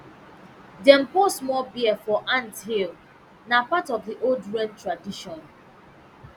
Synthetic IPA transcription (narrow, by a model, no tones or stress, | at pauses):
dɛ̃m̩posmɔlbiəfɔʔãnthil | napatɔvðiʔoldɹɛ̃ntɹadiʃɔ̃n